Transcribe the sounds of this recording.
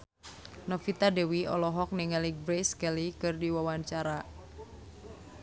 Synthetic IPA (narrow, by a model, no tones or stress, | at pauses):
nɔfit̪adewiɔ̰lɔɦɔk̚nɪŋaliɡbɾeskɛlikɨrdiwawaɲt͡ʃaɾa